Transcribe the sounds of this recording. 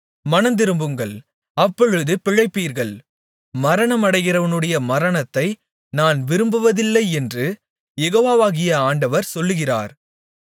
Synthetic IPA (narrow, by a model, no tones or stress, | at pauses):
mɐnɐnd̪ɪɾɯmbɯŋɡɐɭ | ɐpːɔɻɯðɯpɪɻɐɪpːiːɾɣɐɭ | mɐɾɐɳɐmɐɽɐɪɣɪrɐʋɐnɯɽɐjɐmɐɾɐɳɐt̪ːɐɪ | naːnʋɪɾɯmbɯʋɐðɪlːɐɪɛndrɯ | jɛɣoːʋaːʋaːɣɪjɐaːɳɖɐʋɐɾsɔlːɯɣɪra̰ːɾ